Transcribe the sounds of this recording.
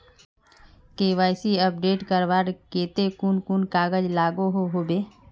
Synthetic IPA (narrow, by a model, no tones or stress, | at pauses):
keːʋaːɪsiəp̚ɖeːʈkəɾʋaːɾkeːt̪ekuːnkuːnkaːɡəd͡ʒlaːɡoɦoɦoːbeː